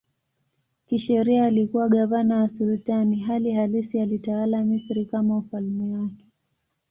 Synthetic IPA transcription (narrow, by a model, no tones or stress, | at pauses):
kiʃɛɾiaːlikuwaɠavanawasulutaniɦalihalisialitawalamisɾikamaufalmɛwakɛ̥